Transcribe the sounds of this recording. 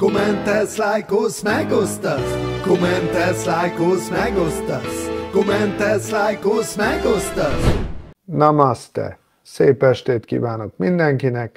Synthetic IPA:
komɛnt̪ɛslajkoːsmɛɡost̪ɑskomɛnt̪ɛslajkoːsmɛɡost̪ɑskomɛnt̪ɛslajkoːsmɛɡost̪ɑsnɒmɑst̪ɛ̰ | seːpɛʃt̪eːt̪kḭːvaːnokmind̪ɛŋkinɛk

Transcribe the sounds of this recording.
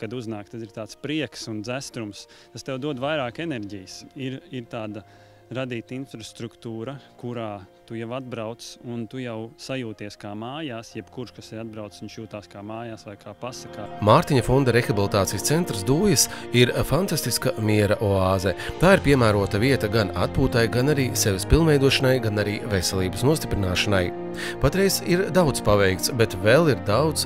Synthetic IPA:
kad̪uznaːkt̪ad̪iɾt̪aːt̪spɾiɛksund̪zæst̪ɾums | t̪ast̪ɛwd̪uɔd̪vajɾaːkenɛɾɟijəsiɾiɾt̪aːd̪a | ɾad̪iːt̪ainfɾast̪ɾukt̪uːɾɐkuɾaːt̪ujaʋad̪̚bɾawt̪sunt̪ujawsajuːt̪iɛskaːmaːjaːsjɛb̥kuɾʃkasɛɾad̪̚bɾawt̪ssunʃjuːt̪aːskaːmaːjaːsʋajkʰaːpasɐkaːmaːɾt̪iɲɐfɔnd̪aɾexabilˠit̪aːt̪sijst̪sent̪ɾsd̪uːjɪsiɾfant̪ast̪iskamiɛɾɐʔoaːzɛt̪aːiɾpiɛmæːɾuɔt̪aviɛt̪ɐɡana̰t̪̚puːt̪ajɡanaɾiːsɛʋspilˠnmvɛjd̪uɔʃanajɡanaɾiːvesɛlˠiːbəsnuɔst̪ʲi̥pɾinaːʃanaj | pat̪ɾɛjziɾd̪awd̪spavɛjk̚t̪sbet̪vɛlˠiɾd̪awd̪s

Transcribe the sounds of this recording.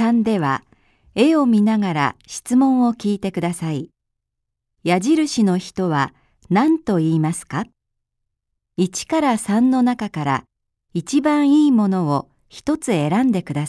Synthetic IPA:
ãnd̪e̞βa | e̞o̞mʲinaɡaɾa̰ɕi̥t͡sɨmõ̞ɰ̃o̞kʲiːt̪e̞kɯ̟d̪asai | jaʑiɾɯ̟ɕino̞çi̥t̪o̞βa | nãnt̪o̞iːmasɨ̥ka | it͡ɕi̥kaɾasãnːo̞nakakaɾa̰ | it͡ɕibãɰ̃iːmo̞no̞o | çi̥t̪o̞t͡sɨe̞ɾãnd̪e̞kɯ̟d̪a

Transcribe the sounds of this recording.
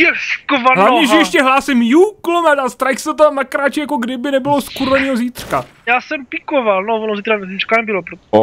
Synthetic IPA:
ɛskovaɦlavɲɛʒɛjɛʃcɛɦlaːsɪmjuklomɛt̪ast̪ɾajxsɛt̪amnakɾaːt͡ʃɪjakoɡdɪbɪnɛbɪloskuɾɛniːɦoziːt̪r̥ka | jaːsɛmpɪkovalnovonosɛt̪ɛɾaɛzit͡ʃkanɛbɪlopɾo

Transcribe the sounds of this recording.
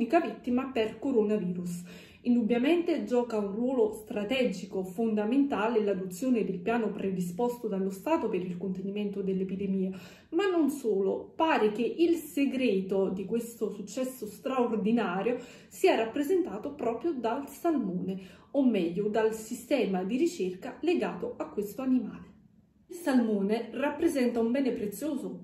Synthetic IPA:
nikavit̪ːimaperkoɾonaviːɾus | ind̪ubːjameɛnt̪ed͡ʒɔːkaunrwɔːlost̪ɾat̪ɛd͡ʒikofond̪ament̪aːlelad̪ot̪sːjoːned̪elpjaːnopɾʔed̪is̬pɔst̪od̪alost̪aːt̪opeɾilkont̪eniment̪od̪elːepid̪emiːa | manːonsoːlopaːɾek̟eʔilseɡɾeːt̪od̪ikwest̪osut͡ʃːɛsːost̪ɾaord̪inaːɾjo | siːarapːɾezent̪aːt̪opɾɔːpɾjod̪alsalmoːneomːɛʎːod̪alsist̪ɛːmad̪iɾit͡ʃerkaleɡaːt̪oakːwest̪oanimaːle | ilsalmoːnerapːɾezɛnt̪aumbɛːnepɾet̪sːjoːzo

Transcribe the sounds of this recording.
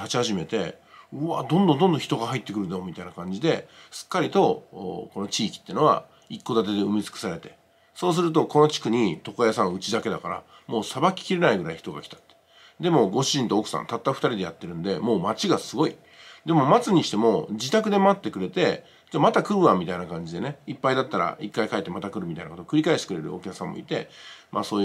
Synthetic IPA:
t̪at͡ɕihaʑime̞t̪e̞̰ɯad̪õnd̪o̞nd̪o̞nd̪õçi̥t̪o̞ɡaɦait̪ːekɯɾɯ̟d̪aomʲit̪ainakãɲ̟d͡ʑid̪e̞sɨ̥kːaɾʲit̪o̞ko̞no̞t͡ɕiːkʲi̥t̪ːeiɯ̟no̞a̰ | ikːo̞d̪at̪e̞d̪e̞ɯmʲit͡sɨ̥kɯ̥saɾe̞t̪e̞ | so̞ːs̬ɨɾɯ̟t̪̬o̞ko̞no̞t͡ɕi̥kɯ̟ɲ̟it̪o̞kojasãɯ̟t͡ɕid̪ake̞d̪akaɾa̰ | mo̞ːsabakʲi̥kʲiɾe̞naiɡɯ̟ɾa̰içi̥t̪o̞ɡa̰kʲi̥t̪ḁt̪ːe̥ | d̪e̞mo̞ɡo̞ɕiʑĩnt̪o̞okɯ̟̥sã̰nt̪at̪ːaɸɯ̟t̪aɾʲid̪e̞jat̪ːe̞ɾɯ̟nd̪e̞mo̞ːmat͡ɕiɡasɨɡo̞i | d̪e̞mo̞mat͡sɨɲ̟iɕi̥t̪e̞mo̞d͡ʑit̪akɯ̟d̪e̞mat̪ːe̞kɯ̟ɾe̞t̪e̞ | d͡ʑamat̪akɯ̟ɾɯβamʲit̪ainakãɲ̟d͡ʑid̪e̞ne̞ipːaid̪at̪ːaɾa̰ikːaikaet̪ːemat̪akɯ̟ɾɯmʲit̪a̰inakot̪okɯ̟ɾʲikaeɕt̪e̥kɯɾe̞ɾɯ̰o̞̰kʲakɯ̥sãmːo̰ḭt̪e̞mʔa̰so̞ːj

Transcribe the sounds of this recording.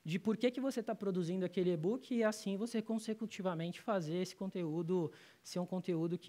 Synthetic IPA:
d͡ʒɪpoɾkekɪvoset̪apɾod̪uzĩnd̪ʊakelɪebukɪːasĩvosekõsekut͡ʃivamẽnt͡ʃɪ̥fazeɾesɪ̥kõnt̪eud̪ʊ | seɾũkõt̪eud̪ʊkɪ

